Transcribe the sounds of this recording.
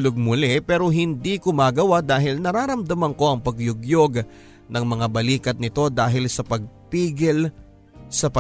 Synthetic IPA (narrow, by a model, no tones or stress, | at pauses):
lʊɡ̚mʊlɛpɛːɾo̞ɦɪnd̪ikʊmaːɡɐwad̪aːɦɪlnɐɾaːɾɐmd̪ɐmɐŋko̞ʔɐŋpɐɡjʊɡjoɡ | nɐŋmɐŋabɐliːkɐt̪̚nɪt̪o̞d̪aːɦɪlsɐpɐɡ̚piːɡɪl | sɐpɐ